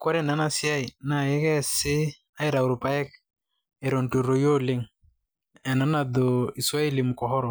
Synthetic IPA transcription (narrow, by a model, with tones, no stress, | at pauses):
kɔ˦ɾɛ˦˨na˨˦na˨sɪ˦a˦i˨na˨jɛ˦kɛ˦sɪ˦ | a˦i˦ɾa˨u˨ɾu˨pa˦ɛ˦k̚ | e˨ɾo˨ntu˨ɾo˨jo˦lɪ˦ŋ | ɛ˨na˦na˨d̪o˨i˨swa˦e˦li˨mʊ˨kɔ˨ɦɔ˦ɾɔ˨